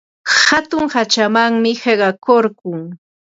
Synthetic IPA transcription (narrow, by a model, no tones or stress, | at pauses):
hat̪ʊŋhat͡ʃamaŋmɪheɢɑkoɾkʊŋ